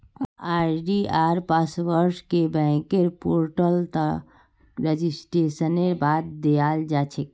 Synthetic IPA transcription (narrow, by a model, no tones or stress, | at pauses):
aɖiaɾpasʋəɾskebɛ̃keɾpoɾʈəlt̪ə | ɾed͡ʒisʈɾesəneɾbad̪̚d̪ejald͡ʒat͡ʃʰɛk̚